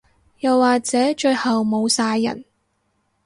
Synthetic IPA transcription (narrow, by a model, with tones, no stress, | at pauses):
jɐ˨wːaː˨k̚t͡sɛː˨˥t͡ʃɵ˧ɥhɐ˨wmo˨˧wsaː˧jːɐ̰˨˩n